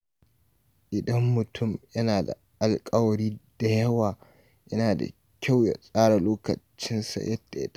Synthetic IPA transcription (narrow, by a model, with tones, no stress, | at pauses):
ʔɪ˨dɐ˦mːʊ˨tʰʊ˦mjɐ˦naː˨da̰˨ʔa˨lkʼɐ˦wɐ˨ɽiː˦d̥a˨jɐ˦waː˨ | jɐ˦naː˨da̰˨ | kʲa˦˨wja̰˨sʼaː˦ɽa˨loː˦kɐ̰˨t͡ʃɪ˦nsa̰˨jʔɐ˦da˨jɐ̰˦t